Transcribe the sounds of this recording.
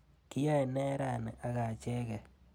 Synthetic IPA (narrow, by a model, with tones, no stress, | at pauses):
ki˦ja˦ɛ˨nɛ˦ɾa˨n˨a˦ɡa˨t͡ʃɛ˦ɡɛ˨